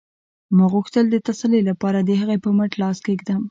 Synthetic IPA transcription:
mɑɣuxt̪əld̪ət̪asalelapɑɾad̪əhəɣepəməʈlɑskeɪɡd̪ɑm

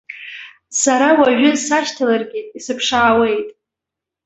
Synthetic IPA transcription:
saɾawaʒᶣʊsaʃtʰalarɡʲitʼisɨpʰʂaʕːwe̞jtʼ

